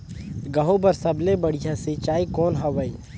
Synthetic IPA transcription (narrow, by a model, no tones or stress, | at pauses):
ɡɐɦõbɐɾsɐblebɐɽ̤ijãset͡ʃaːikɔːnɦɐʋəiː